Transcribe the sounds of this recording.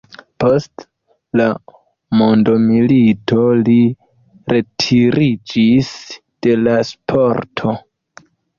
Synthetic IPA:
post | la | mondomilito̞li | ɾe̞tʰiɾid͡ʒis | d̥e̞laspʰoɾtʰo̞

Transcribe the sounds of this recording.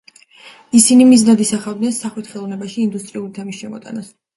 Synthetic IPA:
isinimiznad̪isaχad̪nɛnsaχwit̪ʰχɛlˠɔvnɛbaʃiːnd̪ust̪ʼɾiulit̪ʰɛmisʃɛmɔt̪ʼa̰nas

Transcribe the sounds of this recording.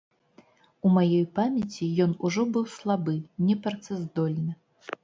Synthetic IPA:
umajɔjpamʲɛt͡sʲijɔnuʐɔbɨwslˠabɨnʲɛpɾt̪sɛzd̪ɔlʲnɨ

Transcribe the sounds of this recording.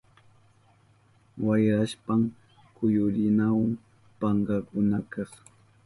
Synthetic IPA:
wajɾaʃpam | kʊjʊɾɪnawam | paɴɢɑkʊnakɑχ

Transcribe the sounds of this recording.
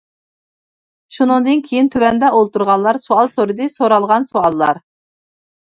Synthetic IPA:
ʃunɨŋd̪ɨnkʲʰejint̪ʰøvɛnd̪ɛʔolˠt̪uɾʁɑlˠɑɾsoɑlˠsoɾɨd̪ɨsoɾɑlˠʁɑnsoɑlˠːɑɾ

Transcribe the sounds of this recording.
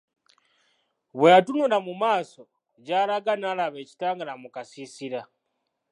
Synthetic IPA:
βweatunulamumaːso̞ | ɟaːlaɡanaːlaβe̞ːci̥taːŋɡalamukasisiɾa

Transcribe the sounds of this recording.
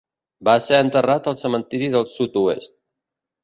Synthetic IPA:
baseənt̪ərat̪əlˠsəmənt̪iɾiðəlˠsut̪uḛst̪̚

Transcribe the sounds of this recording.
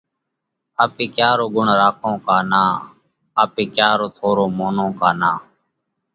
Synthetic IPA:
aːpiːkjaːɾoːɡʊɳɾaːkʰõːkaːnaː | aːpiːkjaːɾoːt̪ʰoːɾoːmoːnõːkaːnaː

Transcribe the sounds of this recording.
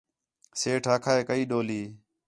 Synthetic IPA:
seːʈʰaːkʰaːeːkəiːɗoːliː

